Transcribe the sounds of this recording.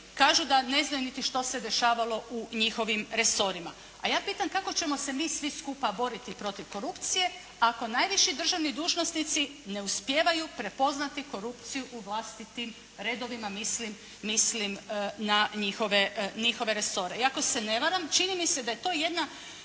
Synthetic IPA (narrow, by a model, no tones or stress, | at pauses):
kaːʒud̪ane̞znajunit̪iʃt̪o̞se̞d̪e̞ʃaːʋalˠo̞ʔuɲixo̞ʋimɾe̞so̞ɾima̰ | a̰jaːpiːt̪amkako̞t͡ɕe̞mo̞se̞miːsʋiskupabo̞ɾit̪ipɾo̞t̪iʋko̞ɾupt̪sije̞ | ako̞najʋiʃid̪r̩ʒaʋnid̪uːʒno̞snit̪sine̞uspjeːʋajupɾe̞po̞znat̪iko̞ɾupt̪sijuʔuʋlˠast̪it̪im | ɾed̪o̞ʋimamislimː | islimnaɲixo̞ʋeɲixo̞ʋe̞ɾe̞so̞ɾe̞iako̞se̞ne̞ʋaɾamt͡ʃinimised̪aje̞t̪o̞ːje̞d̪na